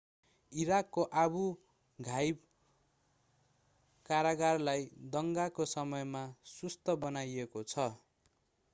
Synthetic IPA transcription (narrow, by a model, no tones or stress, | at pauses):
iɾakːoʔabu | ɡʱajb | kaɾaɡarlajd̪ʌŋɡakosʌmʌjmasust̪ʌbʌnajekot͡sʰʌ